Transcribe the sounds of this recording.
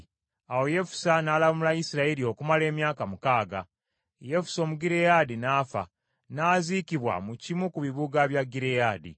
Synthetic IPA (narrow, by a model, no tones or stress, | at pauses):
awo̞je̞fu̥sanaːlaβmulaisiɾaelio̞kumale̞ːmjaːkamukaːɡa | je̞fu̥so̞ːmuɡiɾejadinaːfa̰ | naːzikiβwa̰mucimukuβiβuɡaβjaɡiɾejaːdḭ